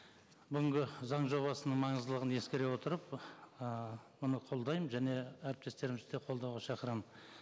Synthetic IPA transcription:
bʏɡʲɪŋɡʲɪzɑɴʒo̞βɑsənəɴmɑɴəzd̪əlˠəʁənje̞skʲeɾe̞wo̞t̪əɾəp̚əmʊnəqʰo̞lˠd̪ɑjmʒæne̞æɾɪp̚t̪e̞st̪e̞ɾɪmzd̪eqʰo̞lˠd̪ɑwʁɑʃɑqəɾɑmə

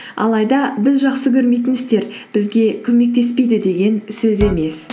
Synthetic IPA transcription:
ɑ̰lˠɑjd̪ɑbɪzʒɑqsəkʲʰɵɾme̞jt̪ɪnɪst̪e̞ɾ | b̥ɪzɡʲe̞kʲʰɵme̞k̚t̪e̞spe̞jd̪ɪd̪e̞ɡʲe̞nsɵze̞me̞s

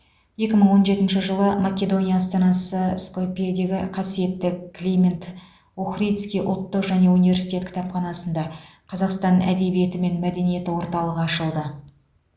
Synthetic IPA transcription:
je̞kʲɪməɴwo̞nʒe̞t̪ɪnʃɪʒəlˠəmakʲe̞d̪o̞nʲijaːst̪ɑnɑsəskopijad̪e̞ɡʲɪqʰɑsije̞t̪ːɪkklʲimʲent̪ | oχrijt̪skʲijʔʊ̰lˠt̪ːəqʒæne̞univʲe̞ɾsi̥jt̪e̞t̪kʰʲɪ̥t̪ɑpχɑnɑsənd̪ɑ | qʰɑzɑqst̪ɑnæ̰d̪e̞bije̞t̪ɪme̞nmæd̪e̞nije̞t̪ɪwo̞ɾt̪ɑlˠəʁəɑʃəlˠd̪ə

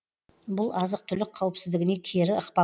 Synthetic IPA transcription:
bʊlˠɑzəq̚t̪ʰʏlɪk̚qʰːɑwəpsɪzd̪ɪɡʲɪne̞kʲʰeɾɪəqpɑ

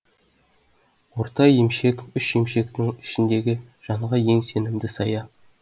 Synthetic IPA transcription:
wo̞ɾt̪ɑjemʃe̞kʏʃje̞mʃe̞kt̪ɪŋɪ̥ʃɪnd̪e̞ɡʲɪ | ʒ̥ɑɴʁɑje̞ŋse̞nɪmd̪ɪsɑjɑ

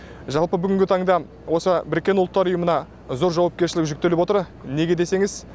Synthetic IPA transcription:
ʒɑlˠpəbʏɡʲɪŋɡʲɪt̪ʰɑɴd̪ɑ | wo̞səbɪɾkʲːe̞nʊlˠət̪ːɑɾʊjəmənɑ | zo̞ɾʒɑwɑp̚kʲe̞ɾʃɪlɪkʒʏk̚t̪ːe̞lɪpwo̞t̪əɾ | ne̞ɡʲe̞d̪e̞se̞ŋɪz

